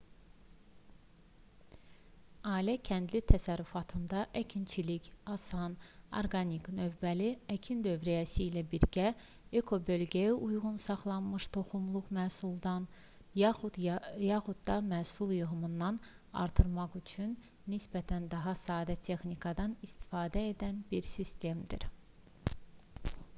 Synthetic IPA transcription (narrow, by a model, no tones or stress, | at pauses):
ɑːilæcʰænd̪lit̪ʰæsæɾyfɑt̪ʰɯnd̪ɑʔæcʰint͡ʃʰilicɑsɑno̰ɾɡɑniknø̞vbæliæcʰind̪ø̞vɾæjæsiːlæbiɾɟæ | ekʰo̞bø̞lɡæjiʔujʁunsɑχlˠɑnmɯʃt̪ʰo̞χumlˠuʁmæːsulˠd̪ɑn | jɑχud̪d̪ɑmæːsulˠjɯɣɯmɯnd̪ːɑn | ɑ̰ɾt̪ʰɯɾmɑχyt͡ʃʰynː | isbæt̪ʰænd̪ɑɦɑsɑːd̪æt̪ʰe̞xnikʰɑd̪ɑnist̪ʰi̥fɑːd̪æe̞d̪ænbiɾsist̪e̞md̪ḭɾ